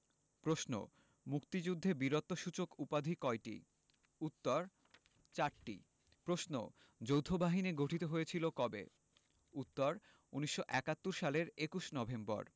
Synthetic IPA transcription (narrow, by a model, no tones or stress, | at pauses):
pɾoʃno̰ | mukt̪id͡ʑud̪ʱːebiɾot̪ːoʃut͡ɕokupad̪ʱikɔeʈḭ | ut̪ːoɾ | t͡ɕaɾʈḭ | pɾoʃno̰ | d͡ʑowt̪ʰobaɦineɡoʈʰit̪oɦojet͡ɕʰilokɔbḛ | ut̪ːoɾ | uniʃːoʔɛkat̪ːuɾʃaleɾekuʃnɔbʱembɔ̰ɾ